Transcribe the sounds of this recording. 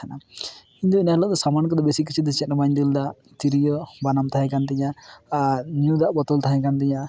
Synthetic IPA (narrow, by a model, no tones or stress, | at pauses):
anakint̪ɔinaɦlɔʔd̪ɔsamankɔd̪ɔbesik̬it͡ʃʰid̪ɔt͡ʃɛt̪̚nəbaɲd̪ild̪aʔ | t̪iɾijɔbanamt̪aɦɛ̃kant̪ɛɲa | njud̪aʔbɔt̪ɔlt̪aɦɛ̃kant̪̬ɛɲa